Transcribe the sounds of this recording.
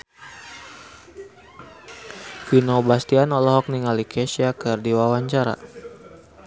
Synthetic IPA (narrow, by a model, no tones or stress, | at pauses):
finobast̪ianɔlɔɦɔk̚niŋalikɛsiakɨrdiwawaɲt͡ʃaɾa̰